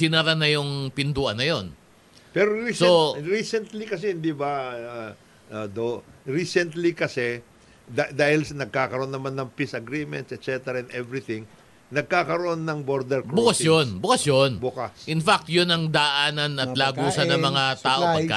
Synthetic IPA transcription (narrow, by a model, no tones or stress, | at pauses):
sɪnaɾanɐjʊŋpɪnd̪uːʔɐnːɐjo̞n | pɛɾoɾisoɾisɛnt̪likɐsɛhɪnd̪ibɐ | od̪oɹiːsɛnt̪likɐsɛ | d̪ad̪aːhɪlsnɐɡ̚kaːkɐɾoonːɐmanːɐŋpisɐɡɾimɛnt̪sɛt̪sɛt̪ɛɾaɛ̃nd̪ɛvɾit̪ɪ̃ŋ | nɐɡ̚kaːkɐɾoʔonːɐŋboɾd̪ɛɾkbʊkɐsjonbʊkɐsjonbukasʔɪnfak̚t̪jʊnɐŋd̪ɐʔaːnɐnɐt̪laːɡuːsɐnnɐmɐŋat̪aːʔoppɐkːa̰